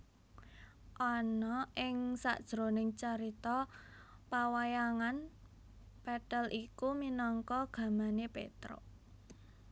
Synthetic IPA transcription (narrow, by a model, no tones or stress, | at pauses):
ʔɔnɔʔɪŋsa̰ʔd̥ʒ̥ɾonɪŋt͡ʃaɾit̪ɔ | pawajaŋan | pɛʈɛlʔikuminɔŋkɔɡ̥a̤manepḛt̪ɾo̰